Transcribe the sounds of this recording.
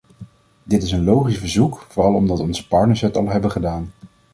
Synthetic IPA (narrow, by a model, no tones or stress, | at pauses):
dɪtɪs̬ənlowχisvəɹzukfʊːrɑlˠɔmdɑtɔnzə̥pɑɹtnəɹsɦɛtɑlˠɦɛbəχədaːn